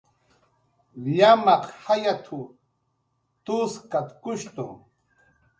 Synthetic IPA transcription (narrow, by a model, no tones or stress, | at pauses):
jamɑqhajat̪ʰu | t̪uskat̪kʊʃt̪ʊ